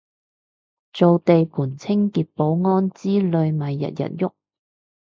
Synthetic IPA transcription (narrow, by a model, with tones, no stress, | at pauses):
t͡so˨wt̪e˨jpʰuː˨˩nt͡sʰɪ˥ŋkiː˨t̚po˨˧˥wŋɔː˥nt͡siː˥lɵ˨˧ɥmɐ˨jːɐ̰˨t̚jɐ̰˨t̚jʊ˥k̚